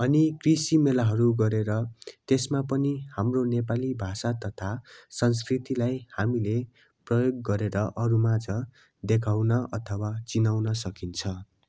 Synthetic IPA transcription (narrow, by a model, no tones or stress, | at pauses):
ʌnikrisimelaɦʌɾuɡʌɾeɾʌt̪esmapʌnihamronepalibʱasat̪ʌt̪ʰasʌns̬krit̪ilajhamile | prʌjoɡ̚ːʌɾeɾʌʔʌɾumad͡zʌ | d̪ekʰawnʌʌt̪ʰʌwat͡sinawnʌsʌkint͡sʰʌ